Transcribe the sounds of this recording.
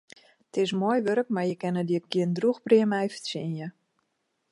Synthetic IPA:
tɪsmojʋøɾək̚marjəkɛnədiəɡ̥iəndruxbriəmɛjfə̥sinjə

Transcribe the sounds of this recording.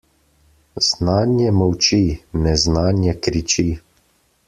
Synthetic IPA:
z̥naːnjɛmɔwt͡ʃinɛznaːnjɛkɾit͡ʃi

